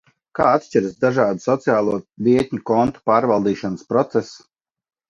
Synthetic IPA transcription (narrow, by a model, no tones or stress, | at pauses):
kaːat̪ʃt͡ʃiɾsd̪aʒaːd̪usɔt̪sijaːlˠuɔvʲiɛt̪ʲɲukɔnt̪u̥paːɾvalˠd̪iːʃɔnəspɾɔt̪sɛs